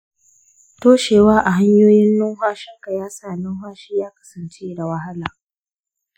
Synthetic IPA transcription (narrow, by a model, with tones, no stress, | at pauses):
toː˦ʃeː˨waː˦ʔa˨ɦa˦ɲjoː˦jɪ˦nːʊ˦ɦʷaː˦ʃɪ˦ŋka˨jaː˦saː˦˨nʊ˦ɦaː˦ʃiː˦jaː˦kɐ̥˦sɐ˨nt͡ʃeː˦da˨wɐ˦ɦa˦laː˨